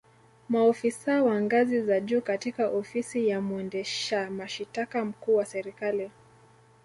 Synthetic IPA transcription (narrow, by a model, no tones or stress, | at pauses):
maɔfisawaŋɡazizaʄuːkatikaʔɔfisijamuɛndɛʃamaʃitakam̩kuːwasɛɾikali